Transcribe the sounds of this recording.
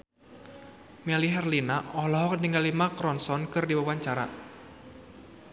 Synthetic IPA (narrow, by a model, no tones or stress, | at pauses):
mɛliɦɛrlinaʔɔhlɔɦɔk̚niŋɡalimakɾɔnsɔnkɨrdiwawaɲt͡ʃaɾa̰